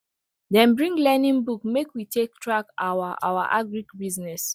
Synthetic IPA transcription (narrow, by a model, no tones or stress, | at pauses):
dɛ̃nbɹĩŋɡlɛnĩŋbukmekwitʰek̚tɹakawaʔa̰waʔaɡɹikbiznɛs